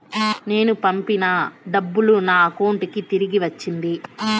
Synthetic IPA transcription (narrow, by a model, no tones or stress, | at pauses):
ne̞ːnupɐmpinɐɖɐbːulunaːko̞ːɳʈikit̪iɾiɡiʋɐt͡ʃːind̪i